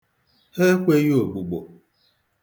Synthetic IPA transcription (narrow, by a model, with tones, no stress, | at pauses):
he˦kʷe˦jo˦˨ɡ͡bu˨ɡ͡bo˨